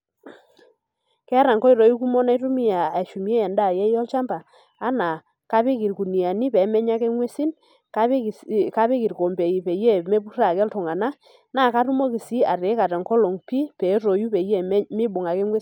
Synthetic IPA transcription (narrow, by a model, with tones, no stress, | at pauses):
kɛ˦ɾa˨ŋkɔ˦i˨ɾɔ˨ju˦ku˦mɔ˦na˦jtʊ˦mɪ˦ja˨a˨ʃu˨m˦ɛ˦ɛ˨nda˦˨jɛ˦jɔ˦lt͡ʃa˦mbaː˨˦ | na˨ | ka˦pe˦ki˨rku˨ni˨a˨ni˦pɛ˨˦mɛ˦ɲa˦kɛ˦ŋwe˦si˦n | ka˦˨ka˦pe˦ki˨rko˨mbɛ˨i˨pɛ˨jɛ˦me˦pu˦ra˨kɛ˦ltʊ˨ŋa˨na˦ | na˦˨ka˦ɾu˦mo˦ki˨si˦a˨ɾe˨˦ka˨tɛ˨ŋkɔ˦lo˨ŋpi˦pɛ˨˦ɾo˨ju˦pɛ˨jɛ˦˨˦mɪ˦bʊ˨ŋa˨ke˦ŋwe˦